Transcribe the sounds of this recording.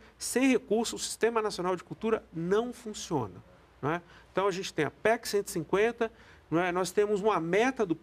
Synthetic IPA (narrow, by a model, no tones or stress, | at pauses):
sẽj̃hekuɾsʊːsi̥st̪ẽmɐnasionawd͡ʒɪkuwt̪uɾɐnɐ̃w̃fũsiõ̰nɐ | ñɛẽt̪ɐ̃w̃ɐʒẽnt͡ʃɪ̥t̪ẽj̃ɐpɛksẽnt̪i̥sĩŋkwẽnt̪ɐ | ñɛnɔst̪ẽmʊzũmɐmɛt̪ɐd̪ʊ